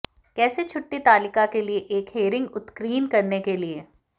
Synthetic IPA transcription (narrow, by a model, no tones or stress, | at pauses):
kɛːset͡ʃʰʊʈːit̪aːlɪkakelieʔeːkɦeːɾɪ̃ŋɡʊt̪kɾiːnkɐɾnekelie